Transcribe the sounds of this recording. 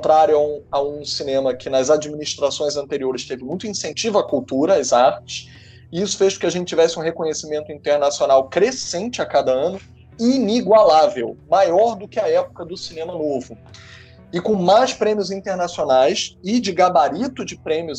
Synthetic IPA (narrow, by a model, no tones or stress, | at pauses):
t̪ɾaɾjʊãaũsinẽmɐkʰɪnɐzad͡ʒiminiʃt̪ɾasõj̃zɐ̃nt̪eɾioɾɪst̪evɪmũj̃t̪ʊĩsẽnt͡ʃivʊɐkuwt̪uɾɐːzaɾt͡ʃɪ̥s | ɪisʊ̥feʃkõkɪaʒẽnt͡ʃɪt͡ʃːivɛsɪũɦekõɲesimẽnt̪ʊĩt̪eɾnasionawkɾesẽnt͡ʃɪakad̪ɐɐ̃nʊ | iniɡwalavewmajɔɾd̪ʊkɪɐɛpʊ̥kɐd̪ʊsinẽmɐnovʊ | ɪkõmajspɾẽmiʊzĩt̪eɾnasionajsɪd͡ʒɪɡabaɾit̪ʊd͡ʒɪpɾẽmiʊ